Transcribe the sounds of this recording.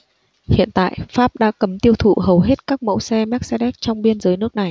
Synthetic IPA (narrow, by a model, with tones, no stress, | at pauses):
hḭ˧˨ənt̪a̰ː˧˨jfaː˦˥p̚ɗa̰ː˧˥kə˨˦mt̪i˧əwt̪ʰṵ˧˨hə˨˩wɦe˦˥t̚kaː˦˥k̚mə̰˧˥wsɛ˧mɛ˦˥k̚sɛ˧ɗɛ˦˥k̚t͡ɕɔ˧wŋ͡mɓi˧ənzəː˨˦jnɨ˦˥ək̚na˨˩j